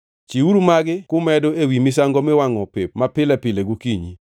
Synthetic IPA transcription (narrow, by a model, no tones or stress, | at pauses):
t͡ʃiuɾumaɡɪkʊmɛdoewimɪsaŋɡɔmɛwaŋɔpepmapɪlɛpɪleɡukiɲi